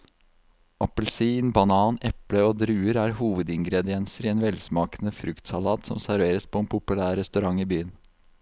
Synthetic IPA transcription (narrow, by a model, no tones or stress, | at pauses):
ʔɑpəlsiːnbɑnɑːnɛpləoːd̪ɾʉːəɾæːɾhuːʋəd̪ɪŋɡɾɛd̪ɪɛnsəɾɪeːnʋɛlsmɑːkənəfɾʉkt̪sɑlɑːt̪sɔ̰msæɾʋeːɾəspʰɔeːnpʰʊpʉlæːɾɾɛst̪ʉɾɑŋiːbyːən